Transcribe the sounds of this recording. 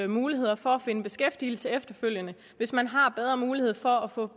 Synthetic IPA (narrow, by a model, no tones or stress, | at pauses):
muːliɦe̝ð̞̰ˠɐfɒ̽æfe̝nəb̥e̝sɡ̥efd̥il̩səefd̥ɐføl̰jənə | ʋe̝smænɦɑ̈b̥eð̞ˠʁɐmuːlihe̝ð̞̰ˠfɒ̽æfɔ̽